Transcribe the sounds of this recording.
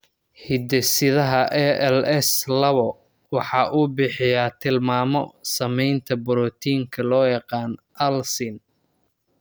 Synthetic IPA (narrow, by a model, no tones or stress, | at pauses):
hɪd̪ɛsɪðɐɦɐʔɛɛlɛslɐβɔ | wɑħɑːʔuːbɪħɪjat̪ʰɪlmaːmɔsɐmɛjnt̪ʰɐbɔɾɔːt̪ʰiːŋkʰɐlɔːjɑqɑːnʔɐlsɪn